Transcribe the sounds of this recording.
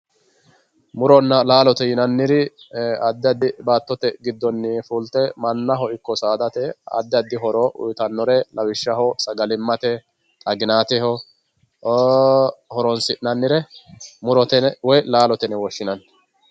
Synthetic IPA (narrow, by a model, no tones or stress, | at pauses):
mʊɾɔnːɐlaːlɔt̪ɛjɪnɐnːɪɾɪɐd̪ːɪɐd̪ɪbaːt̪ːɔt̪ɛɡɪd̪ːɔnːɪfult̪ɛmɐnːɐɦɔɪkːɔsaːd̪ɐt̪ɛɐ̰d̪ːɪɐd̪ːɪɦɔɾɔʔʊ̰jt̪ɐnːɔɾɛlʔɐwɪʃːɐɦɔsɐɡɐlɪmːɐt̪ɛ | t̪ʼɐɡɪnaːt̪ɛhɔ | hɔɾɔnsɪʔnɐnːɪɾɛmʊɾɔt̪ɛwɔjlaːlɔt̪ɛnɛwɔʃːɪnɐnː